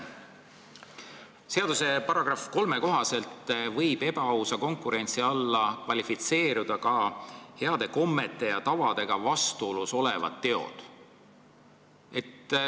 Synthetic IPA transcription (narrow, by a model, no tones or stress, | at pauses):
se̞ɑd̪̥use̞pɑɾɑɡ̥rɑfko̞lme̞ko̞ɦɑse̞lt̪ːvɤjb̥e̞b̥ɑɑwsɑko̞ŋkˑuɾe̞nʲt̪siɑlːɑkvɑlʲifit̪se̞ːɾud̪ɑkɑhe̞ɑd̪̥e̞ko̞mːe̞t̪ːˑe̞jɑt̪ɑvɑd̪̥e̞ɡ̥ɑvɑst̪uoluso̞le̞vɑ̰t̪ːe̞o̰d̪̥ | e̞t̪ː